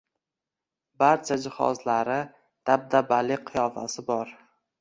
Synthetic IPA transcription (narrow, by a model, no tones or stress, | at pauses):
baɾt͡ʃʰad͡ʒɪhɒ̰zlaɾɪ | d̪̥ab̚d̪abalːɪqʰɨjɒfa̰sɪbɒɾ